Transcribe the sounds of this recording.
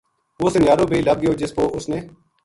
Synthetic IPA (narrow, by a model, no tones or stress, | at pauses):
ʋoːsənjaːɾõːbʱeiːləɡ̚ɡɪjoːd͡ʒɪspoːʔʊsneː